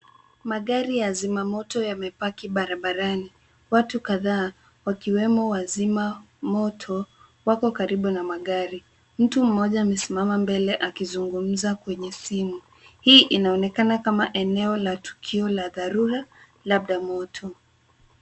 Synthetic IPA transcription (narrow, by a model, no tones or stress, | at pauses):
maɠaɾijazimamɔtɔjamɛpakiɓaɾaɓaɾani | watukaðaː | wakiwɛmɔwazima | mɔtʰɔ | wakɔkaɾiɓunamaɠaɾi | m̩tum̩mɔʄaːmɛsimamambɛlɛʔakizuŋɡum̩zakwɛɲɛsimu | hiːʔinaɔnɛkanakamaʔɛnɛɔlatu̥kʰiɔlaðaɾuɾa | laɓ̚ɗamɔtʰɔ